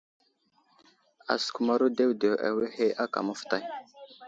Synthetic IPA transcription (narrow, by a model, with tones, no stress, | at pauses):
a̰˨sku˨ma˨ɾu˦de˦wde˨wa̰˨we˦he˦ʔa˦ka̰˨mə˦fta˨j